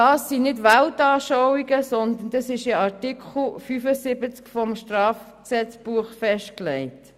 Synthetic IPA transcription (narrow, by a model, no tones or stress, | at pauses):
ɑːsːinɪdʋæltɑːʃɔwiɡəsɔnd̪ənd̥ɑsɪʃɪɑɾtikʰχl̩fyfəsɪbət͡skfɔmʃtrɑːf | ksɛt͡sb̥uəχfɛʃt̚klɛɪt